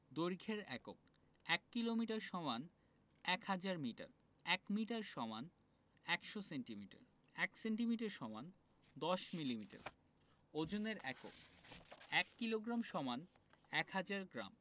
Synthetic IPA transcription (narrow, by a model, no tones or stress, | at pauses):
d̪oɾɡʱeɾɛ̰ko̰k̚ | ɛkːilomiʈaɾʃɔman | ɛkhad͡ʑaɾmiʈa̰ɾ | ɛkmiʈaɾʃɔman | ɛkʃoseɳʈimiʈa̰ɾ | ɛkseɳʈimiʈaɾʃɔman | d̪ɔʃmilimiʈa̰ɾ | od͡ʑoneɾɛ̰ko̰k̚ | ɛkːiloɡɾamʃɔmanɛkhad͡ʑaɾɡɾa̰m